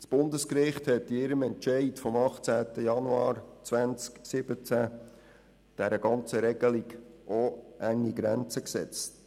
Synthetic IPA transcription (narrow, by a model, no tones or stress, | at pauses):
t͡sb̥ʊndəskɾɪχthɛtːɪɾəmɛnt͡ʃɛɪtfɔmɑχt͡sæːtəjɑnuɑːɾt͡svænt͡sksɪb̥ət͡sæ | d̥æɾəɡɑnt͡səɾɛɡ̥əliɡʔoæŋːiɡɾænt͡səksɛ̰t͡st